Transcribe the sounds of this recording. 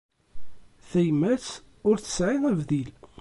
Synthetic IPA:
θæjmæs | ʊɾθə̥sʕiðævðil

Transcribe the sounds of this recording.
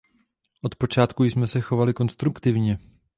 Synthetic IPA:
ʔo̞t̪po̞t͡ʃaːt̪kujsmɛsɛxo̞valɪko̞nst̪ɾukt̪ɪvɲɛ

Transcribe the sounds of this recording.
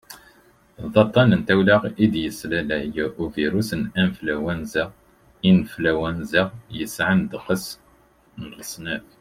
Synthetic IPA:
ðˤɑt̪ˤːɑnənt̪æwlæʁid̪jəslælæjæʔuviɾusənænflæwænzəʁ | inəflæwænzəʁjəsʕənd̪qəs | nʁəsˤnæf

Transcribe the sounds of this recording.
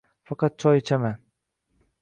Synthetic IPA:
fɑqɑd̪̚t͡ʃʰɒjt͡ʃʰama

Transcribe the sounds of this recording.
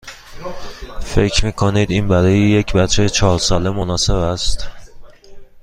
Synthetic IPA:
fe̞cʰɾmiːkʰoniːd̪iːnbæɾɒːjejecʰbæt͡ʃʰejt͡ʃʰɒːɾsɒːle̞monɒːse̞bæst̪

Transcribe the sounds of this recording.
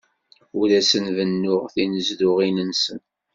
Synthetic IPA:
uɾæsənvənːʊʁθinəzðʊʁinənsən

